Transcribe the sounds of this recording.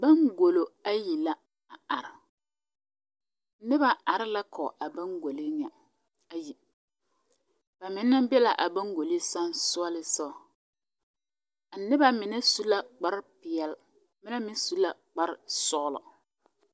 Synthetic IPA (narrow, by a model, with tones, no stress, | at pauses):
ba˦ŋɡo˨lo˨a˦ji˨la˦ | a˨a˨ɾɪ˨˦ | nɪ˦ba˨a˨ɾɪ˦la˦kʰɔ˨ʔa˨ba˦ŋɡo˨li˦ɲɛ˨ | a˨ji˨ | b̥a˨mɪ˨˦nːa˦bɛ˦la˨ʔa˨ba˦ŋɡo˨li˦sa˦nsʊ˦a˦lɪ˦sɔ˦˨ | a˨nɪ˦ba˦mɪ˨nɛ˦su˦la˦k͡pa˦ɾpɪ˨ɛ˦l | mɪ˦na˦mɪ˦n˦su˦la˨k͡pa˦ɾɪ˦sʊ˦ɣʊ˦lɔ̰˨